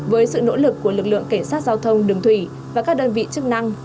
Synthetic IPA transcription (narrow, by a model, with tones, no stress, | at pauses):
vəː˨˦jsɨ̰˧˨no̰˧˥lɨ˨˩kːu˧˩əlɨ˨˩k̚lɨ̰˧˨əŋka˧˩ŋ̟saː˦˥t̚zaː˧wt̪ʰə˧wŋ͡mɗɨ˨˩əŋt̪ʰwi˧˩ | vaː˨˩kaː˦˥k̚ɗəː˧nvḭ˧˨t͡ɕɨ˦˥k̚na˧ŋ